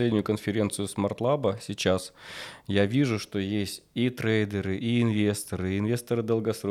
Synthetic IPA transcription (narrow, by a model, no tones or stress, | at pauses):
lʲedʲnʲʊjʊkənfʲɪɾʲe̞nt̪sɨjʊsmɐrt̪lˠabəsʲɪt͡ɕasjavʲiʐʊʂt̪o̞jesʲtʲit̪ɾejd̪ʲəɾɨʔiɪnvʲest̪əɾɨɪnvʲe̞st̪əɾɨd̪əlˠɡɐsɾo